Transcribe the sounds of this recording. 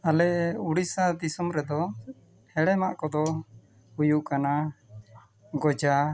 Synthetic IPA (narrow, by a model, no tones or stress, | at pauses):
alɛuɽisad̪isumɾɛd̪ɔ | hɛɽɛmaʔkɔd̪ɔ | hujuʔkana | ɡɔd͡ʒa